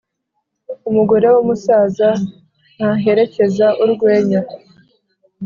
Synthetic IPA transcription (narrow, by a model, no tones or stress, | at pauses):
umuɡoɾe̞womusaːza | n̥haɦe̞ɾe̞ce̞zaʔuɾɡwe̞ːɲa